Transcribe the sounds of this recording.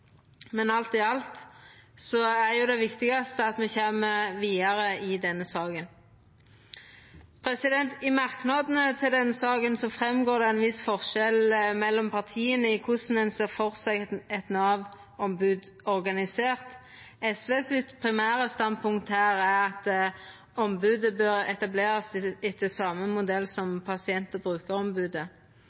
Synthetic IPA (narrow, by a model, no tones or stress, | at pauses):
mɛnɑlt̪ɪɑlt̪sɔæʁjʊd̪ɛʋɪkt̪ɪɡɑst̪əɑt̪mɛçeːməʋiːɑɾəɪd̪ɛnːəsɑːɡən | pʰɾɛsɪd̪ɛnt̪ɪmɑʁknɑd̪nət̪ʰɪld̪ɛnːəsɑːɡənsɔfɾɛmɡoːɾd̪ɛɛnʋɪsfɔʁʃɛlmɛlːɔmpʰɑʁt̪ʰiːənəɪkʰʊsn̩ɛnsɛfɔʁsɛɡɛt̪nɑːʋ | ɔmbʉːd̪ɔʁɡɑnɪseːʁt̪ | ɛsʋeːsɪt̪pʰʁɪmæːʁəst̪ɑnd̪̚pʰʊŋkt̪hæːʁæʁɑt̪ | ɔmbʉːd̪əbœʁɛt̪ɑbleːʁɑsɛt̪ːəsɑːməmʊd̪ɛlːsɔmpʰɑsɪɛnt̪əbʁʉːkəʁɔmbʉːd̪ə